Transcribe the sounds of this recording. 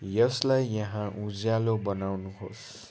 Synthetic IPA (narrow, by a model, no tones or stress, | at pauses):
jʌslajːʌɦãʔud͡zjalobʌnawnuɦos